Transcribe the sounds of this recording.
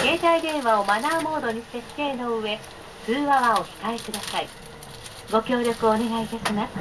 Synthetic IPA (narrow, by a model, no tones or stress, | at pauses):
ke̞ːt̪aid̪ẽ̞ɰ̃βao̞manaːmo̞ːd̪o̞ɲ̟iɕt̪est̪e̞ːno̞ɯβe̞ | sɨːβaβaokʲi̥kaekɯ̟d̪asai | ɡo̞kʲo̞ːɾʲo̞kɯ̟oːne̞ɡait̪aɕima